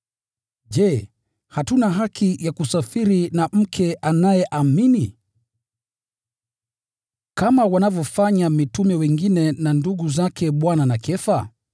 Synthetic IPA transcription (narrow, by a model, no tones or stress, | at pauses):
d͡ʒɛ | hatunaɦakʰijakusafiɾinam̩kʰɛʔanajɛʔamini | kamawanavjɔfaɲamitumɛwɛŋɡinɛnanduɡuzakʰɛɓwananakʰɛfa